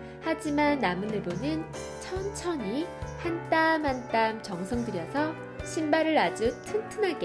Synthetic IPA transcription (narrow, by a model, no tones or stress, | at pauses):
had͡ʑimanːamɯnɯbonɯn | t͡ɕʰʌnt͡ɕʰʌɲihant͈amhant͈amt͡ɕʌŋsʰʌŋdɯɾjʌsʰʌ | ɕʰinbaɾɯɾad͡ʑutʰɯntʰɯnɦaɡe